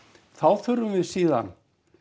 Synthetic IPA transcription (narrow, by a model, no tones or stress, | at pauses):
θawθʏɾʏmvɪðsiːða̰n